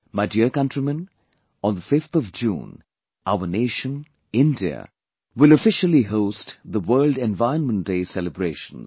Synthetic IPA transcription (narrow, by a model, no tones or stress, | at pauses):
maɪdiəkʌ̃ntɾimə̃n | ɔ̃nðəfɪft̪ɔvd͡ʒṵ̃ːn | ʔaʊəneːʃə̃n | ɪ̃ndiə̰ | wɪləfɪʃəliɦoʊstðəwɜːlɖɛ̃nvaɪənmə̃nt̚d̥eːsɛləbɾeːʃə̃n